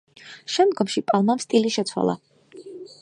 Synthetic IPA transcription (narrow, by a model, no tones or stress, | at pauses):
ʃɛmd̪ɡɔmʃipʼalˠmamst̪ʼiliʃɛt̪sʰwa̰lˠa̰